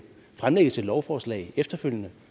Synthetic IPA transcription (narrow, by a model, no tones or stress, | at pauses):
fʁamleɡ̥ð̩ˠt͡sʰe̝lɒʊfɒːslɛ̰ɪefd̥ɐføl̰jənə